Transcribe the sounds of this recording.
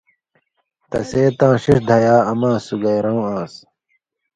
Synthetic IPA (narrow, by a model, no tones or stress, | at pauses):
t̪ɐ̰seːt̪ãːɕiʂd̪ʱɐjaːɐmãːsuɡɐjɾɐ̃ũãːs